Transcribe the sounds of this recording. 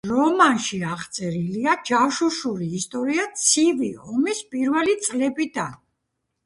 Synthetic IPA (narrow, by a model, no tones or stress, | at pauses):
ɾɔmanʃiaʁt̪sʼɛɾiliad͡ʒafʃuʃuɾiːst̪ʼɔɾiat̪sʰiviɔmispʼiɾvɛlit̪sʼlɛbid̪an